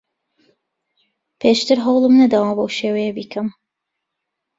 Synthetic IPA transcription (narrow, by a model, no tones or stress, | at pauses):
pʰeːʃt̪ʰɨɾɦɐwlˠɨmnɐd̪awambowʃeːwɛjebiːkʰɐm